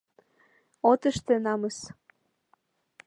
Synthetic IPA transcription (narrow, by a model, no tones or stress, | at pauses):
ot̪əʃt̪ĕnɑməs